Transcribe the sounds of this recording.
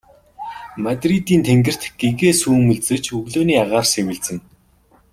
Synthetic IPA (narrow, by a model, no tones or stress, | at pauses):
mat̪rit̪iːnt̪ʰeŋɡɘ̆r̥t̪ɡ̥eɣeːsuːmɵ̆ɮt͡sɘ̆kt͡ɕʰɵɣɮoːniːaʁaːrsewɘ̆ɮt͡sɘ̆n